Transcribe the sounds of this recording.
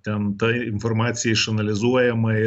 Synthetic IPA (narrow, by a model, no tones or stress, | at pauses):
t̪ʲɛnt̪ɐɪnformɑːt̪sʲɪjɛɪʃɐnɐlʲɪzuɔjɛmɐɪ